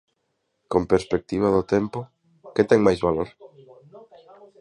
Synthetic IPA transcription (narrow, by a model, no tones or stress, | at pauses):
kompeɾspek̚t̪iβ̞aðʊt̪empʊ | ket̪ɛŋmajzβaloɾ